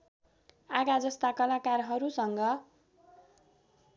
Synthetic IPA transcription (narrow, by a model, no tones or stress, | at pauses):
aɡad͡zʌst̪akʌlakarɦʌɾusʌŋɡʌ